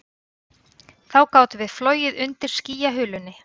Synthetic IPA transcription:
θawkaːwt̪vɪðfloːɥjɪðʏnt̪ɪɾ̥sciːjaɦʏːlʏnːɪ

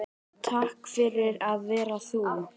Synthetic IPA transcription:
t̪ʰahkfɪɾɪɾaðvɛːɾaθum

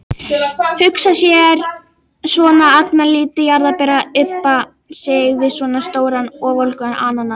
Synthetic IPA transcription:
hʏksasjɛɾ | sɔːnaaknaliːt̪ɪjaɾðapɛːɾaʏpːa | seɣðɪsɔːnast̪oːwɾanɔvolkʏanaːnanːa

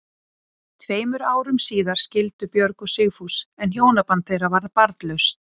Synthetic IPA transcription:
t̪ʰveːjmʏɾaːwɾʏmsiːðaɾ̥scɪlt̪ʏpjœɾkʏsɪɣfusɛnçjoːwnapant̪θejravaɾpaɾt̪lœɥst̪

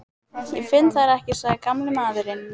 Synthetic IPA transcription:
jɛfɪnt̪θaɾɛhcɪsvaːðɪkamlɪmaːðʏɾɪn

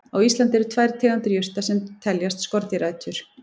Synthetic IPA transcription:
aɣist̪lant̪ɛɾʏt̪ʰvaːjɾt̪ʰɛːɣant̪ʏɾjʏr̥t̪asɛmt̪ʰɛljast̪skɔɾt̪ɪɾajt̪ʏɾ̥

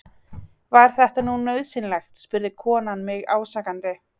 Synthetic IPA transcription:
vaɾ̥θɛht̪anunœɥðsɪnlɛjxt̪spʏɾðɪkʰɔːnanmɪɣaːwsaːkant̪ɪ

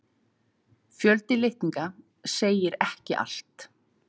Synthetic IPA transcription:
fjœlt̪ɪlɪht̪iŋka | seːjɪɾɛhcɪʔa̰l̥t̪

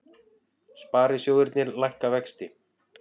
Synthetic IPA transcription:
spaːɾɪsjoːwðʏɾt̪nɪɾlajhkavɛkst̪ɪ

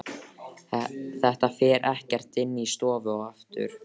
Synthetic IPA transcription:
θɛht̪afɛːɾʔɛhcɛr̥t̪ɪnːist̪ɔːvʏɔɣaft̪ʏ̰ɾ̥

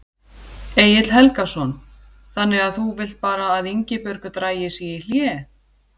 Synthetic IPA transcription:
eːjɪt̪l̥hɛlkasɔn | θanːɪɣaðθuvɪl̥t̪̚paːɾaːðiɲcɪpœɾkʏt̪ɾaːjɪsiɪl̥jɛ

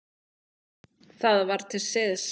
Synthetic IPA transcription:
θaðvaɾt̪ʰɪlsɪðs

